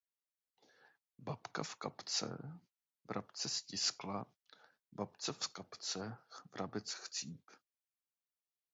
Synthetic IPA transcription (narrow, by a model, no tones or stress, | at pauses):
bapkafkapt͡sɛ̰ | vɾʔapt͡sɛscɪskla | bapt͡sɛfskapt͡sɛvɾʔabɛt͡sxt͡siːp